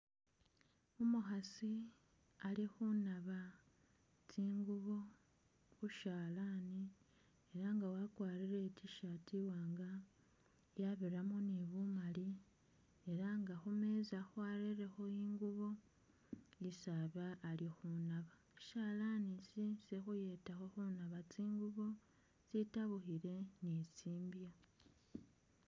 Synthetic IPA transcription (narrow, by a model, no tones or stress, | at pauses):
umuxasi | alixunaβa | tiːŋɡuβo̞ | xuʃaːlaːni | eɾaŋɡawakwaːɾiɾe̞ciʃatiwaːŋɡa | jaβiɾamoneβumali | e̞ɾaŋɡaxume̞zaxwaɾeɾe̞xo̞iːŋɡuβo̞ | isaβaːlixunaβḁ | ʃalanisisexuje̞taxo̞xunaβat͡siːŋɡuβo̞ | t͡sitaβuxiɾe̞nisiːmbja